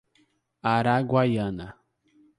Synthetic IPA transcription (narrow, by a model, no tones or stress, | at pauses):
aɾaɡwajɐ̃na